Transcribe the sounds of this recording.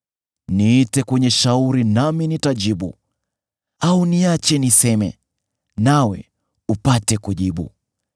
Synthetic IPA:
niːtɛkwɛɲɛʃauɾinaminitaʄiɓṵ | auniat͡ʃɛnisɛmɛ̰ | nawɛ̰ | upatɛkuʄiɓṵ

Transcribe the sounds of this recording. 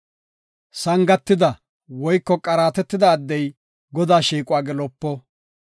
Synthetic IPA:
sɐŋɡɐt̪ːɪd̪ɐ | wɔjkːɔkʼɐɾaːt̪ɛt̪ːɪd̪ɐːd̪ːɛj | ɡɔd̪aːʃiːkʼʊaːɡɛlɔpːɔ

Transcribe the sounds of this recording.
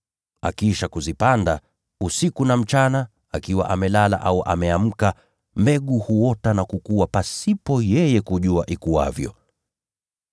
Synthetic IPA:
a̰kiʃakuzipanda | usikunam̩t͡ʃana | akiwa̰ʔamɛlala̰ʔauʔa̰mɛam̩ka | mbɛɠuhuɔtanakukuwapasipɔjɛjɛkuʄuaʔikua̰vjɔ̰

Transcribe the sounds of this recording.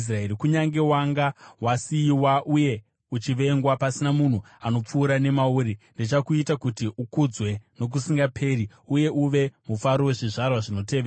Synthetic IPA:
sraeɾikuɲaŋɡe̞waŋɡawasiːwaʔuje̞ | ut͡ʃiʋe̞ŋɡwapasinamun̤u | ano̞p͡fuːɾane̞mauɾindet͡ʃakuitakutiʔukud͡zwe̞no̞k̬usiŋɡapʰe̞ːri | uje̞ʔuʋe̞mufaɾowe̞ʐiʐarwaʐino̞te̞ːʋeːa

